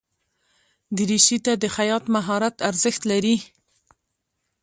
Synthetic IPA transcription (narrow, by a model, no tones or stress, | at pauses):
d̪əɾiʃit̪ad̪əxajɑt̪maɦɑɾat̪aɾzəxt̪laɾi